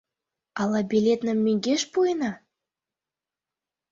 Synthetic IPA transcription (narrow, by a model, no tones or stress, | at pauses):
ɑlɑbʲilʲet̪nə̆mːyŋɡeʃpujnɑ